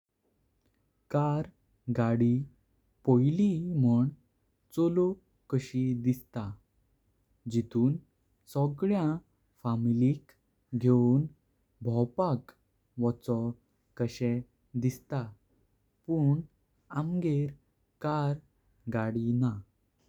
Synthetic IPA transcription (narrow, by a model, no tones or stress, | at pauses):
kaɾ | ɡaɽi | pojliməɳ | t͡sɔlu | kəɕid̪ist̪a | d͡ʑit̪uːn | sɔɡɭjã | familik | ɡʱeun | bʱɔwpak | ʋɔt͡sɔ | kəɕɛ | d̪ist̪a | puɳ | amɡeɾ | kaɾ | ɡaɽina